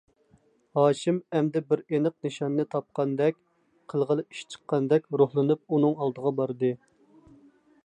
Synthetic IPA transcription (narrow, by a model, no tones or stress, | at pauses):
hɑːʃɪmɛmd̪ɛbɪɾenɨq̚nɨʃɑnːɨt̪ʰɑp̚qɑnd̪ɛkʲ | qʰəlˠʁəlˠɨi̥ʃt͡ʃʰə̥qːɑnd̪ɛkʲɾohlˠɨnɨp̚unɨŋɑlˠd̪əʁɑbɑɾd̪ɨ